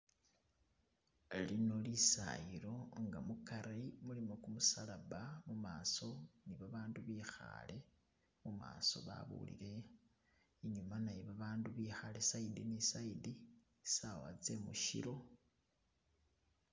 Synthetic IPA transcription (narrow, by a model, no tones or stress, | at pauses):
lino̞lisa̰jiɾo̞ŋɡamukaɾimulimokumusalaβamumaːso̞niβaβaːnduβiːxa̰le̞ | muma̰ːso̞̰βa̰βṵlḭɾe̞ | iɲumanajiβaβaːnduβiːxalesaidinisaidi | sawa̰d͡ze̞mṵʃḭɾo̞